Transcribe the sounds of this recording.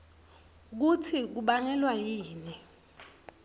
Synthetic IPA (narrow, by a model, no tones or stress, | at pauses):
k̬utʰik̬uɓaŋɛlwajiːni